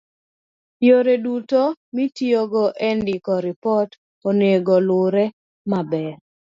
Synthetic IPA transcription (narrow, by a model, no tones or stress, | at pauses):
joɾedutomitioɡɔʔɛndikɔɾipɔt | ɔneɡɔlʊɾɛ | mabɛ